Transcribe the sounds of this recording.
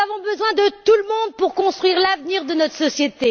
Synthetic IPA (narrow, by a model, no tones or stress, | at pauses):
avɔ̃bəzwɛ̃d̪ət̪uləmɔ̃d̪̚puʁkɔ̃st̪χɥiʁlavniʁd̪ənɔt̪χəsɔsjet̪e